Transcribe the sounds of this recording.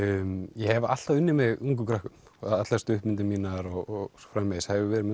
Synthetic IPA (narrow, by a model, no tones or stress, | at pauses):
mjɛhɛva̰t̪t̪aðʏnːɪmɛɣuŋkʏkʰɾahkʏm | a̰ðat̪last̪ʏhpmɪnt̪ɪmiːnaɾɔɣɔɣsfɾamːɛshavɪvɛːɾɪɾm